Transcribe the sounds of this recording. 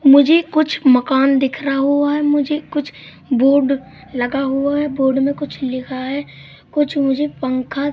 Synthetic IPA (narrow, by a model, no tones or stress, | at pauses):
mʊd͡ʒʱekʊt͡ʃʰməkaːnd̪ɪkʰɾaɦuaɦɛmʊd͡ʒʱekʊt͡ʃʰ | boːɖ | lɐɡaɦuaɦɛboːɖmẽkʊt͡ʃʰlɪkʰaɦɛ | kʊt͡ʃʰmʊd͡ʒʱepə̃ŋkʰa